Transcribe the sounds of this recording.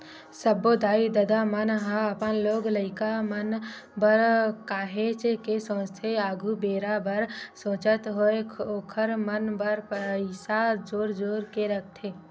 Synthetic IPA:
səbod̪aːid̪əd̪amənɦaəpənloːɡləɪkamən | bəɾkaːɦeːt͡ʃkesõːt͡ʃt̪ʰeaːɡʱubeːɾabəɾsõːt͡ʃət̪ɦoeoːkʰəɾmənbəɾpɪsad͡ʒoːɾd͡ʒoːɾkeɾək̚ʰt̪ʰeː

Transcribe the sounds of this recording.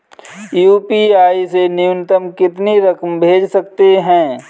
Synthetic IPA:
juːpiaːisenɪjʊnɪt̪əmkɪt̪niɾɐkmbʱeːd͡ʒsɐk̚t̪eɦɛ̃ː

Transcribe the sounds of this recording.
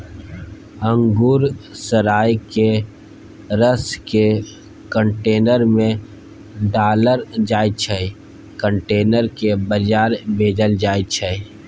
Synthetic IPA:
ə̃ŋɡuːɾsəɾaːjke | ɾəske | kəɳʈeːnəɾmẽ | ɖaːləɾd͡ʒaːit͡ʃʰəi | kə̃ɳʈeːnəɾkebəd͡ʒaːɾbʱeːd͡ʒəld͡ʒaːit͡ʃʰəi

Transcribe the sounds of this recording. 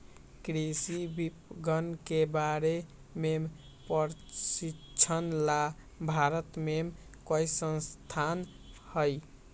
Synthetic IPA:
kɾisibipɡənkebaɾe | mem | pəɾsi | t͡ʃʰənla | bʱaɾət̪mem | kojsənst̪ʰan | həj

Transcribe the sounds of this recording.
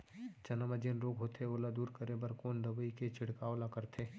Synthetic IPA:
t͡ʃɐnəməd͡ʒenɾoːɡɦoːt̪ʰeoːlad̪uːɾkəɾebɐɾkoːnd̪ɐbəiket͡ʃʰɪɽkaoːlakɐɾt̪ʰeː

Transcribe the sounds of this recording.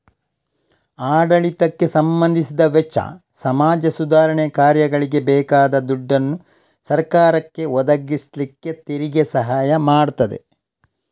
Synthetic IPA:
aːɖɐɭit̪ɐkːe̞sɐmbɐnd̪ʱisid̪ɐʋɛt͡ʃːɐ̰ | sɐmaːd͡ʒɐsud̪aːɾɐɳɛkaːɾjɐɡɐɭiɡe̞bɛːkaːd̪ɐd̪uɖːɐnːu | sɐɾkaːɾɐkːe̞ɔd̪ɐɡislikːe̞t̪eɾiɡesɐɦaːjɐmaːɽt̪ɐd̪e̞̰

